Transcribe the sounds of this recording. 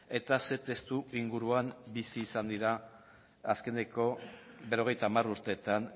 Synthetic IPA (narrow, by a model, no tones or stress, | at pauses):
e̞t̪ase̞t̪e̞st̪uiŋɡuɾuambisiːsand̪iɾa | aske̞ne̞ko̞βe̞ɾo̞ɣ̞e̞jt̪aːmaruɾt̪e̞t̪an